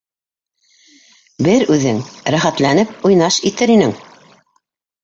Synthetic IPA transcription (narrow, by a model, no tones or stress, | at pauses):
bɘɾʉðɘŋɾæχæt̪lænɘp̚ujnɑʃit̪ɘɾinɘŋ